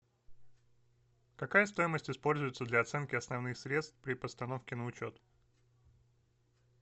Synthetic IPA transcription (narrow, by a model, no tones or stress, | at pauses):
kɐkajəst̪o̞jɪməsʲtʲɪspo̞lʲzʊjɪt̪səd̪lʲɐɐt̪sɛnkʲɪɐsnɐvnɨxsɾʲe̞t̪st̪fpɾʲɪpəst̪ɐno̞fkʲɪnəʊt͡ɕo̞t̪